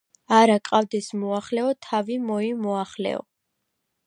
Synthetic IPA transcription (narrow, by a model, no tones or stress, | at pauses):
aɾakʼavd̪ɛsmɔaχlɛɔt̪ʰavimɔimɔaχlɛ̰ɔ̰